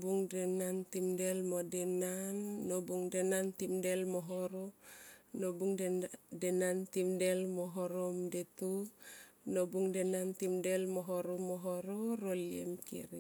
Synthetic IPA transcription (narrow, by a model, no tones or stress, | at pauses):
buŋdenantimdelmodenanːobuŋdenantimdelmoɦoɾonobuŋddenantimdelmoɦoɾomdetu | nobuŋdenantimdelmoɦoɾomoɦoɾoɾoliḛmkḭɾi